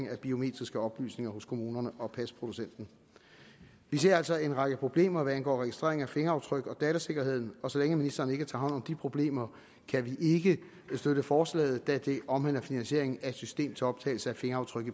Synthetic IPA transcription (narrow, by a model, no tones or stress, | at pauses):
ŋæb̥io̝me̝̰ːd̥ʁisɡ̥əɒ̽b̥ly̰ːsne̝ŋɐɦoskʰo̝muːnɐnəʔɒ̽pʰæspʰʁo̝d̥usen̰d̥n̩ | ʋis̬e̝ɐ̰æl̰sɒ̽e̝nʁɑ̈ɡ̥əpʰʁo̝b̥le̝̰ːmɐʋæænɡ̥ɒ̰ːʁɛɡ̥isd̥ʁe̝̰ɐe̝ŋæfe̝ŋɐɑ̈ʊt͡sʰʁœɡ̥ɒ̽d̥ɛːt͡sʰæse̝ɡ̥ɐhe̝ð̞̰ˠn̩ɒ̽sɒ̽leŋəminisd̥ɐnəe̝ɡ̥ət͡sʰɑ̈ːɦɒ̽n̰ɒ̽md̥ipʰʁo̝b̥le̝̰ːmɐ | kʰæʋiʔe̝ɡ̥ə | sd̥øɾəfɒːslɛ̰ːð̩ˠd̥æd̥e̝ʔɒ̽mhen̰ɐfinænɕe̝ɐ̰e̝ŋn̩æed̥sysd̥e̝̰ːmt͡sʰe̝ɒ̽b̥t͡sʰɛ̰ɪl̩səæfe̝ŋɐɑʊt͡sʰʁœɡ̥ə